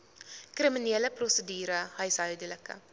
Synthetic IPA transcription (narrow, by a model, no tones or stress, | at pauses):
krimineːləprosədyːɾəɦœjsɦœɥdələkə̰